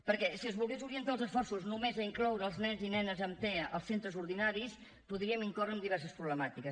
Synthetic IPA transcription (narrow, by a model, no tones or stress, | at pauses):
pəɾkɛsiəzβulˠɣezuɾiənt̪aəlˠzəsfɔrsuznumezəiŋklɔwɾəːlˠznɛnzinɛnəzəmt̪ɛə̰lˠsent̪ɾəzuɾðinaɾis | puðɾiəmiŋkɔrəːmd̪iβ̞ɛɾs̬əspɾuβləmat̪ikəs